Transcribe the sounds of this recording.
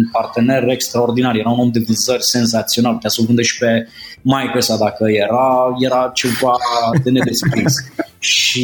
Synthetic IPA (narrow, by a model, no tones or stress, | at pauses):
npart̪e̞ne̞re̞kst̪ɾao̞rd̪inarjeɾauno̞md̪evizərʲse̞nzat̪sio̞nalt̪jasəvɨnd̪əʃi̥pe̞majkəsad̪akəje̞ɾaje̞ɾat͡ʃe̞vad̪e̞ne̞d̪e̞skɾisʃʃi